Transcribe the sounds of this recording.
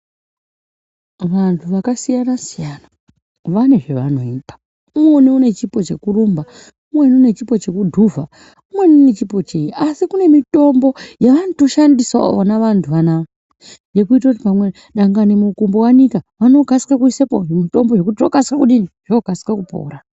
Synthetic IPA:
ʋantʰuʋakasijanasijana | ʋane̞ʐe̞ʋano̞̰iːpḁ | umweniune̞t͡ʃipo̞t͡ʃekurumba | umwe̞niune̞t͡ʃipo̞t͡ʃe̞kudʱuvʱa | umwe̞niune̞t͡ʃipo̞t͡ʃejiʔasikune̞mito̞mbo̞jaʋanoto̞ʃandisao̰ʋonaʋantʰuʋana | je̞kuit̬akutipamwe | ɗaŋɡanimukumbowanikaʋano̞ɡʱaskakuisepoemito̞mboʐe̞k̬utiroɡʱaskakuɗiniʐ̥oɡʱasi̥kakupo̰ːɾa

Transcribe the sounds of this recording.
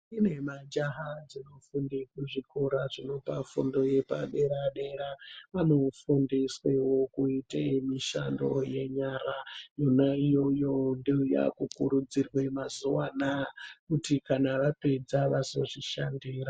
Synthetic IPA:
ine̞mad͡ʒaɦad͡zino̞fundikuʐikoɾaʐino̞pafundo̞je̞pa̰ɗeɾaɗe̞ɾaʋano̞fundiswewo̞kuitemiʃa̰ndo̰je̞ɲaːrajonaijo̞jondiuja̰kukuɾud͡zirwe̞mazuwanakutikanaʋape̞d͡zaʋazo̞ʐiʃandiːra

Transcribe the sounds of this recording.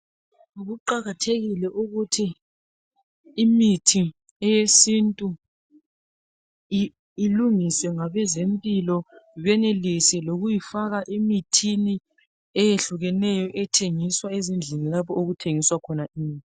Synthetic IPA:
ɣuǃaɣatʰeɣilɛʔuɣutʰi | mitʰi | ɛjesintʼu | luŋiswɛŋaβɛzempʼilɔiβɛnelisɛloɣujifaɣaʔimitʰini | ɛjeɬuɣɛnɛjɔʔɛtʰeŋiswaezind͡ɮʱinilapʰɔoɣutʰeŋiswakʰɔnaʔiːn

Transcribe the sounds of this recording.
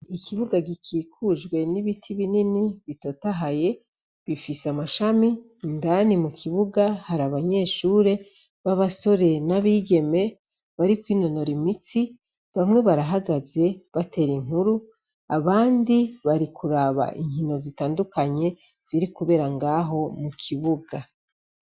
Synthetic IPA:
ikʰiβuɡaɡicʰiːkʰuʒɡwe̞niβitʰiβininiβito̞taɦaje̞ | βifisamaʃamindanimukʰiβuɡahaɾaβaɲe̞ːʃuːɾe̞ | βaβaso̞ɾe̞naβiːɟe̞me̞ | βaɾikwiːnono̞ɾimit͡si | βamŋe̞βaɾaɦaɡaze̞βate̞ɾiŋ̥huɾu | aβaːndiβaɾikʰuɾaβa̰ʔḭɲhino̞zitaːndukaɲe̞ | z̥iɾikuβe̞ːɾaŋɡaːɦo̞mukʰiβuɡa

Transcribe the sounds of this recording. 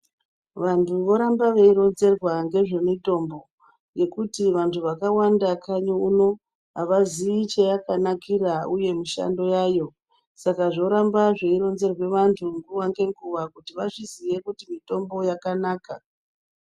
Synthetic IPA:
ʋantʰuʋo̞ɾambaʋeiɾo̞nze̞rwaŋɡe̞ʐe̞nito̞mbo̞ | je̞kutiʋantʰuʋakawandakʰaɲouno̞ | ɦaʋaziit͡ʃejakanakiɾauje̞miʃa̰ndo̞jajo̞ | sakaʐo̞ɾambaʐe̞iɾo̞nze̞rwe̞ʋantʰuŋɡuwaŋɡe̞ŋɡuʋakutiʋaʐiziʋe̞kutimito̞mbo̞jakanaːka

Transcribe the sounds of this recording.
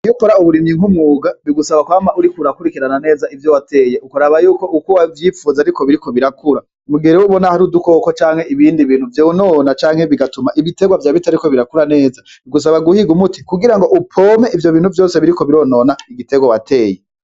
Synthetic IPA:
jukoɾauβuɾimiŋ̥humŋuːɡaβiɡusaβakwaːmaʔuɾikuɾakuɾikiɾanane̞ːzaivjowate̞ːjeukuɾaβajuːko̞ʔukuwavjifuːzaɾiko̞βiɾiko̞βiɾakuɾa | muɡeɾewuβo̞nahaɾuduko̞kot͡ʃaːŋhe̞iβiːndiβiːn̥huvjounonat͡ʃaːŋ̥heβiɡatumaʔiβite̞ɡwavjaːβitaɾiko̞βiɾakuɾane̞ːza | βiɡus̬aβaɡuhiɡumuti̥kuɡiɾaŋɡo̞ʔupʰoːme̞ʔivjo̞βiːnhuvjo̞ːse̞βiɾiko̞βiɾo̞nonaiɡite̞ɡwawatʰe̞ːje

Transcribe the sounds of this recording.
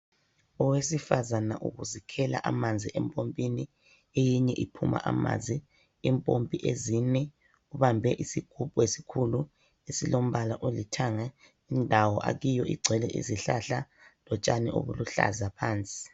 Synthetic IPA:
ɔwesifazana̰ʔuɣuzikʰɛla̰ʔamand͡zʱiʔɛmpʼompʼini | ejiɲɛʔipʰuma̰ʔama̰nzʱi | impʼompʼiʔezinɛ | uβambʱɛʔisiɡ̥ʱupʼuesi̥kʰulu | esilom̩βalaʔolitʰaŋa | indʱawɔʔa̰ɣijɔʔḭɡ͡ǀʱɛlɛʔḭziɬaɬa | lɔt͡ʃʼanɛʔo̰βṵluɬa̰zapʰaːnt͡sʼi̥

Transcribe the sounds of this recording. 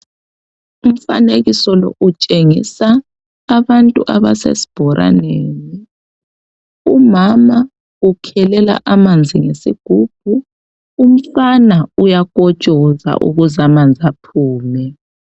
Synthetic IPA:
um̩fa̰neɣisɔlɔ̰ʔut͡ʃʼeŋḭsaː | βantʼuʔaβa̰sḛsi̥b̥ʱɔɾʔa̰neːni | umama | ukʰɛlɛla̰ʔamand͡zʱiŋesiɡ̥ʱub̥̚ʱuː | m̩fanaujakʼɔ̥t͡ʃʼɔza̰ʔṵɣuzamand͡zʱapʰuːmɛ

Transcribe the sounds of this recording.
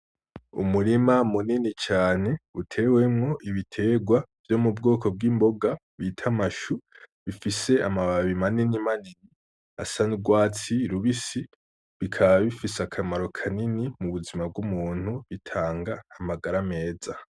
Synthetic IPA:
ṵmuɾimamuninit͡ʃaːne̞utʰe̞we̞mŋo̞ʔiβitʰe̞ɡwavjo̞mub̚ɡo̞ːkʰo̞b̚ɡimbo̞ɡa | βitʰamaʃu | βifise̞amaβaβimaninimanini | a̰saniɡwaːt͡siɾuβisi | βikʰaβaβifisakʰamaɾo̞kʰaninimuβuzimab̚ɡumuːn̥huβitʰaːŋɡaːmaɡaɾame̞ːza

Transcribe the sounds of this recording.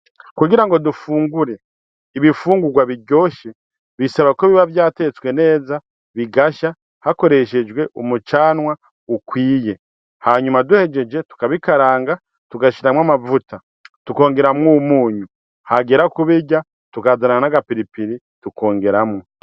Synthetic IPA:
kuɡiɾaŋɡo̞dufuːŋɡuɾe̞ | iβifuːŋɡuɡwaβiɟo̞ːʃe | βisaβakoβiβavjaːte̞t͡swe̞ne̞ːza | βiɡaʃa | hako̞ɾe̞ʃe̞d͡ʒɡwe̞ʔumut͡ʃaːnwa | ukwiːje̞ | haɲumaduhe̞d͡ʒe̞d͡ʒe̞tu̥kaβikaɾaːŋɡa | tuɡaʃiɾamwamavuta | tuko̞ːŋɡe̞ɾamŋumuːɲu | haɡeɾakuβiɟa | tukazanaanaɡapiɾipiɾi | tukʰo̞ːŋɡe̞ɾamŋo

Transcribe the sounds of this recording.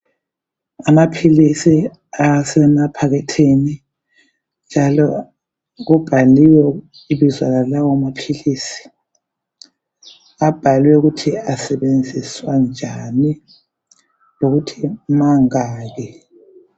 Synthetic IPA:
amapʰilisi | asɛnapʰaɣɛtʰini | nd͡ʒʱalɔ | ɣub̥ʱaliwɛ | iβizwalalawamapʰilisi̥ | ab̥ʱaliwɛuɣutʰiasɛβend͡zʱiswand͡ʒʱani | loɣutʰimaŋaːɣɛ

